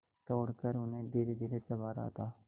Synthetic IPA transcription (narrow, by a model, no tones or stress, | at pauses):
t̪ɔːɽkəɾʊnẽːd̪ɪɾed̪ɪɾeːsəʋaːɾa̰ːt̪aː